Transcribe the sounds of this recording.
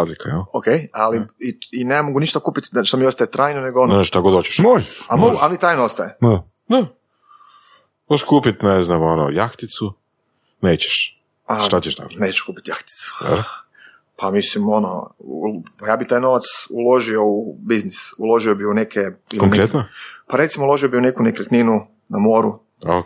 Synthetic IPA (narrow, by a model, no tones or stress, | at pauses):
azlikajalokejaliiinemoɡuniʃt̪akuːpit̪d̪aʃt̪omiost̪ajet̪ɾʔaːjnone̞ɡoonʃt̪aɡod̪ot͡ɕe̥ʃmojamoɡualit̪ɾaːjnoost̪ajema | na | oʃkuːpit̪neznamono̰jaxt̪it̪su | neːt͡ɕɛ̥ʃ | at̪at͡ɕeʃt̪a̰koneːt͡ɕe̥ʃkuːpi̥t̪jaxt̪i̥t̪su̥d̪a̰ɾ | pamislimo̞no̰ | pajaːbit̪aːjno̞ʋat̪sulˠo̞ʒio̞ubiznisulˠo̞ʒiobiunekʰeilkoŋkɾet̪nopaɾet̪simoulo̞ʒiobiunekunekɾet̪ninu | namo̞ːɾu | o